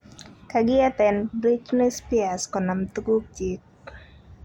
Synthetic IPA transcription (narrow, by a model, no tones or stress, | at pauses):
kaɡɪat̪ɛnbɾit͡ʃnɪspiaskɔnamt̪uɡup̚d͡ʒik̚